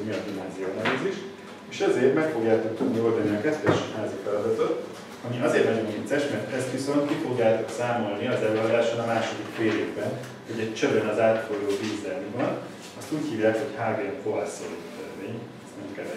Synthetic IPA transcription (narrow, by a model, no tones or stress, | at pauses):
miɒd̪inaːzijonɛliziʃ | eːʃɛzeːrt̪mɛkfo̞ɡjaːt̪ok̚t̪ud̪nio̞ld̪ɒniɒkɛt̪t̪ɛʃhaːzifɛlɒd̪ɒt̪ot̪ | ɒmiɒzeːrt̪nɒɟo̞mint̪sɛʃmɛrt̪ɛst̪ʋiso̞nt̪kifo̞ɡjaːt̪oksaːmo̞lniɒzɛløːɒd̪aːʃbonɒmaːʃo̞d̪ikfeːleːvbɛn | ho̞ɟɛc̚t͡ʃøbønɒzaːt̪foloːviːzɛlmiɒn | ɒst̪uːchiːvjaːkho̞chaːɡepovasːolt̪ɛzmeːɲɛsnɛmkɛlɛ